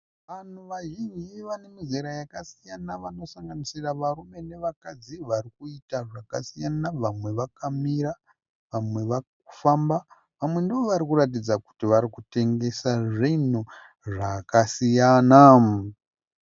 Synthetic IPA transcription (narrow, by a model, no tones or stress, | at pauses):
ʋan̤uʋaʒind͡ʒiʋane̞miziɾajakasijanaʋano̞saŋɡanisiraʋaɾume̞neʋakad͡ziʋarikuitaʐakasijanaʋamwe̞ʋakamiɾa | ʋamwe̞ʋak̚u̥famba | ʋamwe̞ndiʋoʋaɾikuɾat̬id͡zaku̥tiʋaɾikute̞ŋɡe̞saʐinu | ʐakasijana